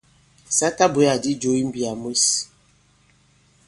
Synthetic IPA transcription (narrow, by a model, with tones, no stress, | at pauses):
sa˦ta˦bu˨˦ja˨di˦d͡ʒo˨˦i˦m̩˦bi˨a˨mwe˦s